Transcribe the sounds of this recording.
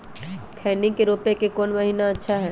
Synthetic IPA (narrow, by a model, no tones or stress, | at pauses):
kʰɛːnikeɾoːpẽkekoːnmɐɦiːnaɐtːʃʰaɦɛː